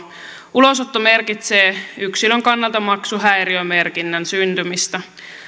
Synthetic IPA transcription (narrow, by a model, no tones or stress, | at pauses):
ulosot̪ːome̞rkit̪seːyksiløŋkɑnːɑlt̪ɑmɑksuɦæjɾiøme̞rkinːænsynt̪ymist̪æ